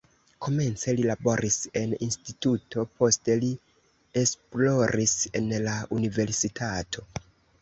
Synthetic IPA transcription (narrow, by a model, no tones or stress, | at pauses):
kʰo̞me̞nt͡se̞lilabo̞ɾʔise̞ninstitutʰo̞po̞ste̞li | esplo̞ɾʔise̞nlaunive̞ɾsitʰatʰo̞